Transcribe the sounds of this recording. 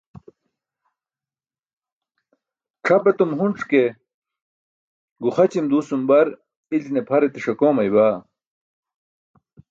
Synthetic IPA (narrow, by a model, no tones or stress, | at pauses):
ʈ͡ʂʰɐbɐt̪umɦuɳʈ͡ʂʰke | ɡuχɐt͡ɕimd̪uːsumbɐɾ | ilnepʰɐɾet̪iʂɐkoːmɐjbaː